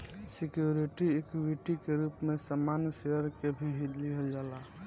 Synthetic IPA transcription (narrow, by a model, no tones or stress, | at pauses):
sikjuɾiʈiekwiʈikeɾupmesəmanseəɾkebʱiɦid̪liɦeld͡ʒala